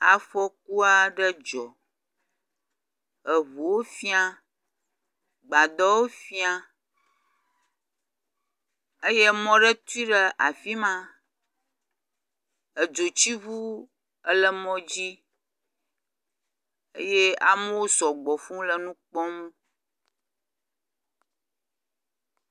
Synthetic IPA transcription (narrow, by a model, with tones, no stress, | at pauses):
a̰˨fɔ˦k̚u˦a˦ɖə˦d͡ʒɔ˨ | ə˨βu˨wo˦fi˦a˦ | ɡ͡ba˨d̪ɔ˦wo˦fi˦a˨ | ə˦je˦mɔ̃˦ɖə˦t̪u˦i˦ɖə˦ʔa˨fi˦mã˦ | ə˨d͡ʒo˨t͡ɕi˦βu˦ | ə˦lə˦mɔ̃˦d͡ʑi˦ | ə˦je˦a˨mə˦wo˦sɔ˨ɡ͡bɔ˨fũ˦lə˦nũ˦k͡pɔ̃˦mũ˦